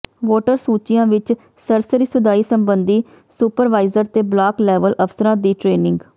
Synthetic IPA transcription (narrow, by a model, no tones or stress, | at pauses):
ʋoːʈəɾsuːt͡ʃɪjãːʋɪt͡ʃ | səɾsəɾiːsʊd̪aːiːsəmbənd̪iː | supəɾʋaːɪzəɾt̪eːblaːklɛːʋəlʔəfsəɾãːd̪iːʈɾeːnɪ̃ŋɡ